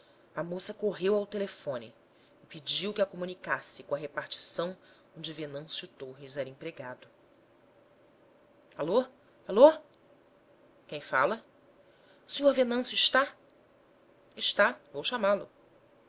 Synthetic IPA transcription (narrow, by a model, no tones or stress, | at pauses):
ɐmosɐkoɦewawt̪elefõnɪ̰ː | pid͡ʒiwkɪɐkomunikasɪkõɐɦepaht͡ʃi̥sɐ̃w̃ | õd͡ʒɪvenɐ̃sjʊt̪oɦizɛɾɐĩpɾeɡad̪ʊ | alo | alo | kẽj̃fa̰lɐ | ʊsĩɲoɾvenɐ̃sjʊɪʃt̪a | ɪʃt̪avowʃamalʊ